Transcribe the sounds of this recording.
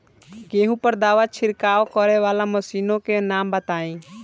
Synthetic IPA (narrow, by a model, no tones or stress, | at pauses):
keːɦũpəɾd̪aːʋat͡ʃʰɪɾkaːokɔɾeʋaːlaməsiːnõkenaːmbət̪aːĩː